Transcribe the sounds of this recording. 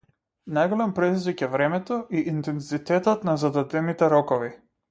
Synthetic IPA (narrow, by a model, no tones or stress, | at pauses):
najɡɔlɛmpɾɛd̪izvikɛvɾɛmɛt̪ɔʔiʔint̪ɛnzit̪ɛt̪ɔt̪nazad̪ad̪ɛnit̪ɛɾɔkɔvi